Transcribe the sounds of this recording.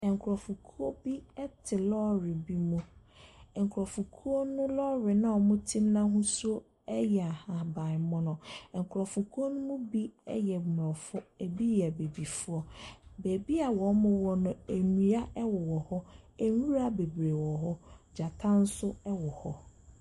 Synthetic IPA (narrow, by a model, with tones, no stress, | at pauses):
ɛ̃˨ŋ˨kʰɾɔ˨fu˨kʰu˦ɔ˦bi˦ɛ˦tʰɪ˨lɔː˦ɾɪ˨bi˦mũ˦ | ɛ̃˨ŋ˨kʰɾɔ˨fu˨kʰu˦ɔ˦nʊ̃˦lɔ˦ɾɪ˨nã˦ɔ˨mʊ̃˦tʰĩ˦mnã˦hũ˦su˦o˦ | ɛ˦jɛ˨a˨ha˨ba˨ɪ˨mɔ̃˦nʊ̃˨ɛ̃˨ŋkʰʊ˨ɾɔ˨fʊ˨kʰu˦o˦nʊ̃˦mʊ̃˦bi˦ɛ̰˦jɛ˨m˨ɔ˨fʊ˦e˨bi˦jɛ˨be˨bi˨fʊ˦ɔ˦be˨bi˦a˨wɔ˨˦mʊ̃˦wɔ˦nʊ̃˦e˨ni˨a˦ʔɛ˦wɔ˨wɔ˨hɔ˦e˨wu˦ɾa˦˨be˨bɾe˨wɔ˨hɔ˦d͡ʑa˨tʰã˦n̩˦sʊ˦ɛ˦wɔ˨hɔ̰˦